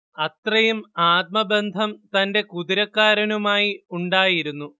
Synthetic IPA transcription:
ɐt̪rɐjumaːt̪̚mɐbe̞nd̪ʱɐmt̪ɐnde̞kuðiɾɐkːaːɾɐnumaːjiuɳɖaːjiɾunːu

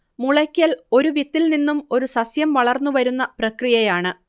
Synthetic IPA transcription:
muɭɐkʲːɐlo̞ɾuʋit̪ːilninːumo̞ɾusɐsjɐmʋɐɭɐrnːuʋɐɾunːɐprɐkrijɐjaːɳɨ

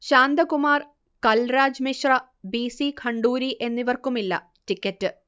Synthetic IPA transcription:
ɕaːnd̪ɐkumaːr | kɐlɾaːd͡ʑmiɕrɐ | biːsikʰɐɳɖuːɾiʔe̞nːiʋɐrkumilːɐ̰ | tikʲːɐtːɨ

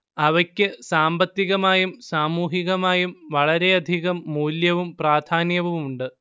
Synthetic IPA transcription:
ɐʋɐkʲːɨsaːmbɐt̪ːiɣɐmaːjumsaːmuːɦiɣɐmaːjumʋɐɭɐɾe̞ɐd̪ʱiɣɐmːuːljɐʋumpraːd̪ʱʰaːnjɐʋuʋmuɳɖɨ

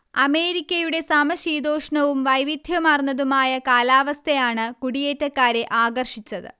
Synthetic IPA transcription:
ɐme̞ːɾikʲːɐjuɽe̞sɐmɐɕiːd̪oːʂɐɳɐʋumʋɐjʋid̪ʱjɐmɐrnːɐðumaːjɐkaːlaːʋɐst̪ʰɐjaːɳɨkuɽije̞ːtːɐkːaːɾe̞ʔaːɡɐrʂit͡ɕːɐðɨ̰

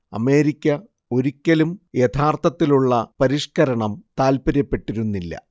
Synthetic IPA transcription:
ɐ̰me̞ːɾikʲːɐ | o̞ɾikʲːɐlumjet̪ʰaːrt̪ʰɐt̪ːiluɭːɐpɐɾiʂkɐɾɐɳɐmt̪aːlpɐɾjɐpːe̞ʈːiɾunːilːɐ̰

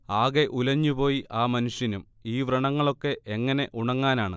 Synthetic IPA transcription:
aːɣe̞ʔulɐɲːupo̞ːjiʔaːmɐnuʂjɐnum | iːʋrɐɳɐŋːɐɭo̞kːe̞ʔeŋːɐne̞ʔuɳɐŋːaːnaːɳɨ

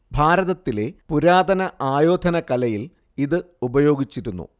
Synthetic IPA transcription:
bʱaːɾɐðɐt̪ːile̞puɾaːd̪ɐnɐʔaːjo̞ːd̪ʱɐnɐkɐlɐjil | iðɨ | ubɐjo̞ːɡit͡ɕːiɾunːṵ

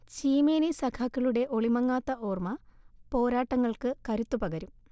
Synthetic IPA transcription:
t͡ɕiːmeːnisɐkʰakːɐɭuɽe̞ʔo̞ɭimɐŋːaːt̪ːɐʔoːrmɐpo̞ːɾaːʈːɐŋːɐɭkɨkɐɾut̪ːupɐɡɐɾum

